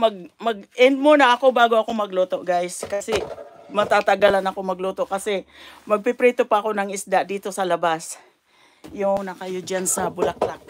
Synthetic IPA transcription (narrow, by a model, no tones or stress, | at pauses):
mɐɡ̚mɐɡ̚ʔɛnd̪̚monɐʔɐko̞baːɡoɐko̞mɐɡloːt̪o̞ʔɡajskɐsɛmɐt̪at̪ɐɡalanɐko̞mɐɡloːt̪o̞ʔkɐsɛmɐɡ̚pɪpɾɛːt̪opɐːko̞nɐŋɪsd̪aʔd̪iːt̪o̞sɐlɐbas | jʊŋnɐkɐjod͡ʒansɐbʊlak̚lak̚